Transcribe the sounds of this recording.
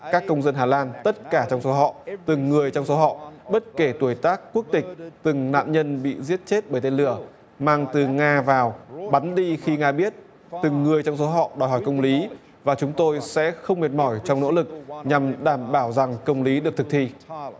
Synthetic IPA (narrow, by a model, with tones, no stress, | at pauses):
kaː˦˥kːə˧wŋ͡mzə˧nɦaː˨˩laː˧nt̪ə˦˥t̚kaː˧˩t͡ɕɔ˧wŋ͡mso˨˦ɦɔ̰˧˨t̪ɨ˨˩ŋːɨ˨˩əjt͡ɕɔ˧wŋ͡mso˨˦ɦɔ̰˧˨ɓə˦˥t̚ke˧˩t̪u˧˩əjt̪aː˦˥k̚ːu˦˥ək̚t̪ï˨˩k̟̚t̪ɨ˨˩ŋna̰ː˧˨nɲə˧nɓḭ˧˨zi˦˥ət̚t͡ɕe˦˥t̚ɓəː˧˩jt̪e˧nlɨ˧˩ə | maː˧ŋt̪ɨ˨˩ŋaː˧vaː˨˩wɓa˨˦nɗi˧xi˧ŋaː˧ɓi˦˥ət̚ | t̪ɨ˨˩ŋːɨ˨˩əjt͡ɕɔ˧wŋ͡mso˨˦ɦɔ̰˧˨ɗɔ˨˩jɦɔ˧˩jkə˧wŋ͡mli˨˦ | vaː˨˩t͡ɕʊ˨˦ŋ͡mt̪o˧jsɛ̰˧˥xə˧wŋ͡mmi˨˩ət̚mɔ˧˩jt͡ɕɔ˧wŋ͡mno̰˧˥lɨ˨˩k̚ɲa˨˩mɗaː˧˩mɓaː˧˩wza˨˩ŋkə˧wŋ͡mli˨˦ɗɨ˨˩ək̚t̪ʰɨ˨˩k̚t̪ʰi˧